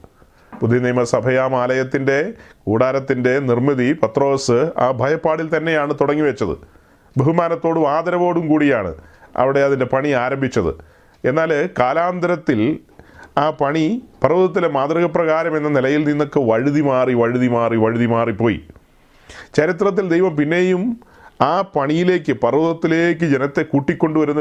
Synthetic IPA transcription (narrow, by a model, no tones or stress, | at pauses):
pud̪ʱːiɐniːmɐsɐbʱɐjaːmaːlɐjɐt̪ːinde̞kuːɽaːɾɐt̪ːinde̞nirmiðipɐt̪ro̞ːsɨaːbʱɐjɐpːaːɽilt̪ɐnːe̞jaːɳɨt̪uɽɐŋːiʋet͡ɕːɐðɨ̰ | beɦumaːnɐt̪ːo̞ːɽɨʋaːd̪ɐɾɐʋo̞ːɽumkuːɽijaːɳɨ̰ɐ̰ʋiɽe̞ɐðinde̞pɐɳiaːɾɐmbʱit͡ɕːɐðɨ̰ | e̞nːaːlkaːlaːnd̪ɐɾɐt̪ːil | aːpɐɳipɐrɐʋuðɐt̪ːilemaːd̪riɣɐprɐɣaːɾɐme̞nːɐnilɐjilninːo̞kːeʋɐɻiðimaːriʋɐɻiðimaːriʋɐɻiðimaːripːo̞ːjḭ | t͡ɕɐɾit̪rɐt̪̬ːild̪ejʋɐmpinːe̞jum | aːpɐɳijile̞ːkːɨpɐrʋuðɐt̪ːile̞ːk̬ːɨd͡ʑenɐt̪ːe̞kuːʈːikʲːo̞ɳɖuʋɐɾunːɐ